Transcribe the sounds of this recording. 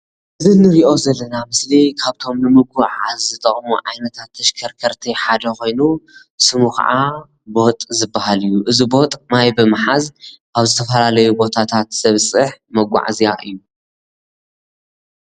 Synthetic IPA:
ʔɨzinɨɾiʔo̞zɐlːɐnamɨslikʰaβt̪ʰo̞mnɨmɨɡaʕazːɨt̪ʼɐχʼmuʕajnɐt̪ʰat̪ʰːɐʃkʰɐɾkʰɐɾt̪ʰiħad̪ɐxo̞jnu | sɨmuxʰɐ̰ʔa | bo̞t̪ʼzɨbːahalɨjːuʔɨzibo̞t̪ʼmajbɨmɨħazkaβzɨt̪ʰɐfɐlalɐjubo̞t̪ʰat̪ʰat̪z̥ɐβsʼɨħmɐɡʷa̰ʕzijaʔɨjːu

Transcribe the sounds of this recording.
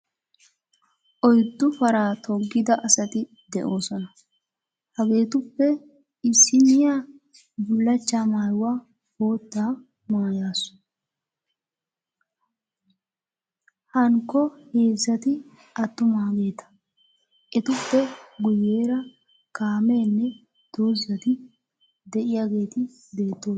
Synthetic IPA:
ʔɔjd̪ːʊfɐɾaːt̪ʰɔɡːɪd̪ɐʔɐsɐt̪ɪ | d̪ɛʔo̞ːsɔnɐ | hɐɡe̞ːt̪ʊpːɛ | ɪsːɪnɪjaː | bʊlːɐt͡ʃːaːmaːjwaː | bo̞ːt̪ːaː | maːjaːsʊ̥ | hɐŋkːɔheːzːɐt̪ɪ | ɐt̪ːʊmaːɡe̞ːt̪ɐ̥ | ʔɛt̪ʊpːɛɡʊjeːɾɐ | kaːme̞ːnːɛ | d̪̥o̞ːzːɐt̪ɪ | d̪ɛʔɪjaɡe̞ːt̪ɪ | d̪e̞ːt̪ːoː

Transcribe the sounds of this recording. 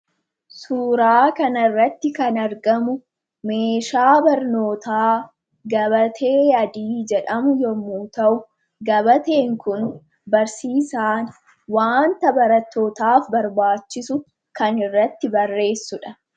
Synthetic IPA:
suːɾaːkɐnɐrːɐt̪ːɪkɐnɐɾɡɐmʊ | me̞ːʃaːbɐɾnoːt̪aː | ɡɐβɐt̪ʰe̞ːɐd̪iːd͡ʒɛᶑɐmʊjɔmuːt̪ɐʔʊ | ɡɐbɐt̪e̞ːŋkʊn | bɐɾsiːsaːn | waːnt̪ɐbɐɾɐt̪ːo̞ːt̪aːfbɐɾbaːt͡ʃːɪsʊ | kɐnɪrːɐt̪ːɪbɐrːe̞ːsːʊᶑɐ

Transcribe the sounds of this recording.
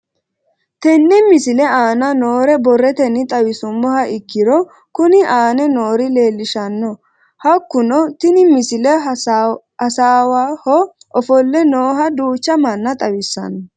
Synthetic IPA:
t̪ɛnːɛmɪsɪlɛaːnɐnoːɾɛbɔrːɛt̪ɛnːɪt̪ʼɐwɪsʊmːɔhɐʔɪkːɪɾɔ | kʊnɪʔaːnɛno̞ːɾɪle̞ːlːɪʃɐnːɔ | hɐkːʊnɔt̪ɪnɪmɪsɪlɛ | ɐsaːwaːhɔ | ʔɔfɔlːɛnoːɦɐd̪uːt͡ʃːɐmɐnːɐt̪ʼɐwɪsːɐ̰nɔ

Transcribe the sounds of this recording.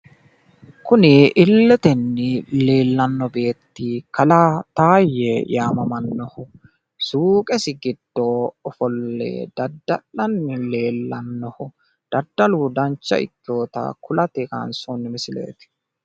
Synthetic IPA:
kʊnɪʔɪlːɛt̪ɛnːɪle̞ːlːɐnːɔbe̞ːt̪ːɪkɐlɐt̪aːjɛjaːmɐmɐnːɔhʊ | suːkʼɛsɪɡɪd̪̥ːoɔfɔlːɛ̰d̪̥ɐd̪ːɐlːɐnːɪle̞ːlːɐnːɔhʊ | d̪̥ɐd̪ːɐluːd̪ɐnt͡ʃːɐ̰ɪ̰kːo̞ːt̪ɐ̰kʊlɐt̪ɛka̰ːnsɔnːɪmɪsɪlḛːt̪ɪ̥

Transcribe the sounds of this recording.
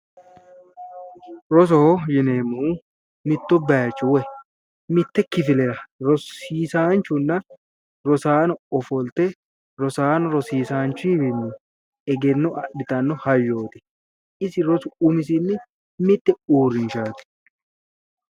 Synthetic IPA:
ɾɔs̬ɔhɔjɪneːmːuː | mɪt̪ːɔbaːt͡ʃʼːʊwɛ | mɪt̪ːɛkɪfɪlɛɾɐɾɔsiːsaːnt͡ʃːʊnːɐ | ɾɔsaːnɔɔfɔlt̪ɛ | ɾɔsaːnɔɾɔsiːsaːnt͡ʃːʊɪbɪmːu | ɛɡɛnːɔʔɐɗɪt̪ɐnːɔhɐjːo̞ːt̪ɪ̥ | ɪsɪɾɔsʊʊmɪs̬ɪnːɪ | mɪt̪ːɛuːɾːɪnʃaːt̪ɪ̥

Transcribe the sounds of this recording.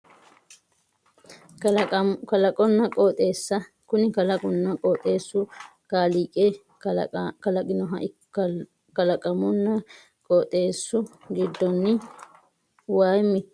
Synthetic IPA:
kɐlɐkʼɔnːɐkʼoːt̪ʼe̞ːsːɐ | kʊnɪkɐlɐkʼʊnːɐkʼoːt̪ʼe̞ːsːʊ | kaːliːkʼe | kɐlɐkʼɪnɔɦɐʔɪ | kɐlɐkʼɐmʊnːɐ | kʼɔːt̪ʼe̞ːsːʊ | ɡɪd̪ːɔnːɪ | waːjmːɪ

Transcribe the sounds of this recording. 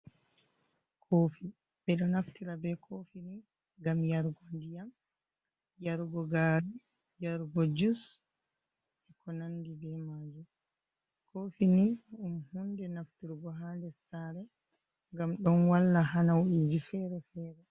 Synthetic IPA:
kʰoːfi | bɛɗɔnaftiɾabɛkʰofini | ɡamjaɾɡɔndijam | jaɾɡɔɡaɾi | jaɾɡɔd͡ʒus | ɛkɔnandibɛmaːd͡ʒum | kʰofiniumhundɛnaftiɾɡɔɦandɛsaɾɛ | ŋɡamɗɔnwalːaɦanawuʔid͡ʒifɛɾɛfɛɾɛ

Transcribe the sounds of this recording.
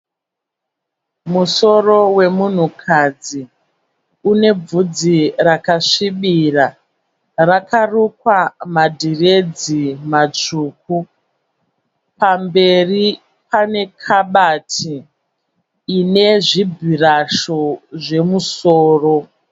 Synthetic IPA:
muso̞ro̞we̞mun̤ukʰad͡zi | une̞b͡vud͡zirakaʂiɓira | rakarukwamadʱired͡zimat͡ʂuːk̚u | pambe̞ri | pane̞kʰaɓatʰi | ne̞ʐibʱiraʃo̞ʐe̞musoːro̞

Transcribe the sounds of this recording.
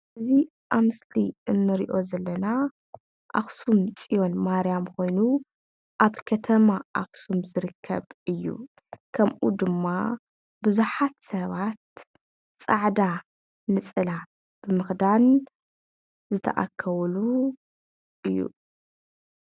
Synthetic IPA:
ɨzi | ʔaβmɨsliɨnːɨɾḭʔo̞zɐlːɐna | ʔa̰xsumt͡sʼijo̞nmaɾijamkʰo̞jnu | ʔaβkʰɐt̪ʰɐmaʔaxsumzɨɾɨkʰːɐ̰βɨjːṵ | kʰɐmʔud̪ɨmːa | bɨzuħat̪sɐβat̪̚ | t͡sʼaʕd̪a | nɨt͡sʼɨla | b̥ɨmɨxd̪an | zɨt̪ʰɐ̰ʔa̰kʰːɐwlu | ʔɨjːṵ

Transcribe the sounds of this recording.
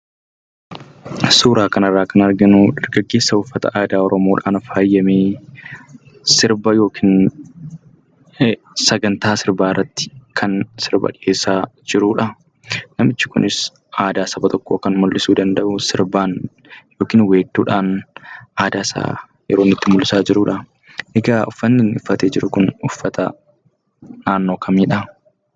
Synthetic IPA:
suːɾaːkɐnɐrːaːkɐnɐɾɡɐnuᶑɐɾɡɐɡːe̞ːsːɐʊfːɐt̪ɐ̰ʔaːd̪aːɔɾɔmo̞ːᶑa̰ːnfaːjːɐmeː | sɪɾbɐjo̞ːkʰiːn | sɐɡɐnt̪aːsɪɾbaːɪrːɐt̪ːɪ̥kʰɐnsɪɾbɐ̰ᶑɪeːsaːd͡ʒɪɾuːᶑɐ | nɐmɪt͡ʃːɪkʊ̰nʔɪs | ʔaːd̪aːsɐbɐt̪ɔkːoːkɐnmʊlːɪsuːd̪ɐnd̪ɐʔʊsɪɾbaːn | jo̞ːkiːnwe̞ːt̪ːṵːᶑaːnʔaːd̪aːsa̰ː | jɛ̰ɾoːnːɪt̪ːɪmʊlːɪsaːd͡ʒɪɾuːᶑɐ | ʔɛɡaːʊfːɐnːɪnɪfːɐt̪eːd͡ʒɪɾʊkʊnʊfːɐt̪ɐ̰ | naːnːo̞ːkʰɐmiːᶑɐ

